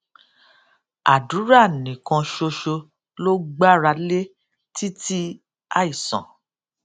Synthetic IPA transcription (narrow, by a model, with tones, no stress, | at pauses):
a̰˨du˨˦ɾa˦˨nĩ˨kã˧ʃo˧ʃo˧ | lo˦ɡ͡ba˦ɾa˧le˦ | ti˦ti˦ | a˦˨i˨sɔ̰̃˨